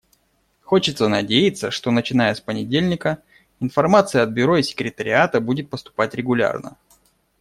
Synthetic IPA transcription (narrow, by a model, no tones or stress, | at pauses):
xo̞t͡ɕɪt̪sənɐdʲejɪt̪sːəʂt̪onət͡ɕɪnajəspənʲɪdʲelʲnʲɪkə | ɪnfɐrmat̪sɨjəɐd̪̚bʲʊɾo̞ɪsʲɪ̥kɾʲɪt̪əɾʲɪ̰at̪əbudʲɪt̪̚pəst̪ʊ̥patʲɾʲɪɡʊlʲa̰rnə̰